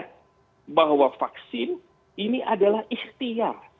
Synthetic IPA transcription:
baɦwafaksɪn | iniʔadalahiht̪iar

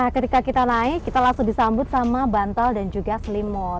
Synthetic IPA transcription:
ahkət̪ikakit̪anaikit̪alasudisambʊt̪̚samabant̪aldand͡ʒuɡaslimɔt̪

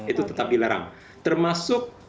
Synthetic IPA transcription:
it̪ut̪ət̪ap̚dilaɾa̰ŋ | t̪ərmasʊk̚

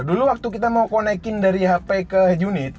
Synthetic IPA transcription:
duluwak̚t̪ukit̪amaukonɛkɪndaɾiɦapɛkəd͡ʒunɪt̪

